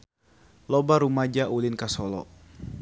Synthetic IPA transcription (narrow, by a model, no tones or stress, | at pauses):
lɔbaɾumad͡ʒaʔulɪnkasɔlɔ̰